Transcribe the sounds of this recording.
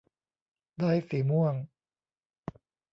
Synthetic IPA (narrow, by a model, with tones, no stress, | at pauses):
d̪a˧˩jsi˨˩˦mu˥˩əŋ